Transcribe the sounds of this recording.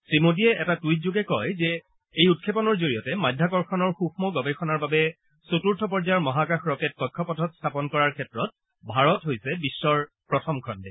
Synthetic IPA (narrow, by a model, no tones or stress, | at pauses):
tɹimot̬iɛʔɛtatujt̚zuɡɛkɔjzɛ | ejut̚kʰepɔnɔɹzoɹijɔtɛmajdʱːakɔɹkʰɔnɔɹxuxmɔɡɔbɛxɔnaɹbabɛ | sotuɹtʰɔp̬ɔɹzajɔɹmɔɦakaxɹɔket̚kɔjkʰːɔpɔtʰɔtstʰapɔnkɔɹaɹkʰɛtɹɔt̚ | bʱaɹɔtɦojsɛbisːɔɹ | pɹɔtʰɔmkʰɔndɛ